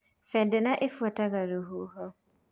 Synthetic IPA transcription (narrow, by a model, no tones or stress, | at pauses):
fɛdɪnaʔɪfuataɡaɾuɦuɦɔ